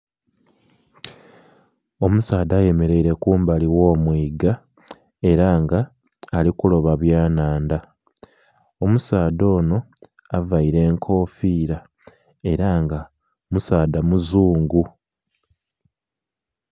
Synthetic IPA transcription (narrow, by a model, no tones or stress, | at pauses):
o̞musaːd̪aːje̞me̞ɾe̞iɾe̞kuːmbaliwo̞ːmwiːɡa | e̞ɾaːŋɡaː | likulo̞βaβjaːnaːnda | o̞musaːd̪o̞ːno̞ | avaiɾe̞ːŋkʰo̞ːfiːɾa | e̞ɾaŋɡa | musaːd̪amuzuːŋɡu